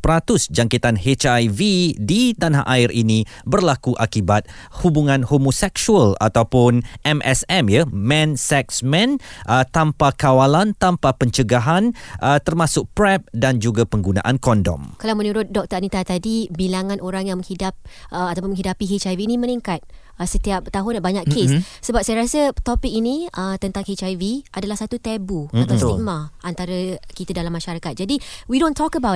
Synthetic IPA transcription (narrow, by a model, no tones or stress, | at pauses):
pɾat̪ʊsd͡ʒaŋkit̪anhet͡ʃajvidit̪anaʔaɪɾʔinĩ | bərlakuʔakibat̪̚ | hubuŋãnhomosɛksuəla̰t̪awpʊnʔɛmʔɛsɛmjamɛ̃nsɛk̚smɛ̃nʔət̪ampakawalant̪ampapəɲt͡ʃəɡaɦanʔət̪ərmãsʊk̚pɾɛp̚dand͡ʒuɡapəŋɡunã̰ʔankɔndɔ̰mkalawmə̃nuɾʊt̪̚dɔk̚t̪əanit̪at̪adibilaŋãnʔoɾaŋjaŋmə̃ŋhidap̚əat̪awpʊnmə̃ŋɦidapiɦet͡ʃajviːnimə̃niŋkat̪̚ | əsət̪iap̚t̪aɦʊnbaɲakkessəbap̚sajəɾasət̪ɔpɪk̚inĩət̪ənt̪aŋhet͡ʃajviʔadalahsat̪ut̪ɛbuat̪afimãʔant̪aɾəkit̪ədalamːaʃaɾakat̪̚d͡ʒadiwidõnt̪ʰɔkəbaw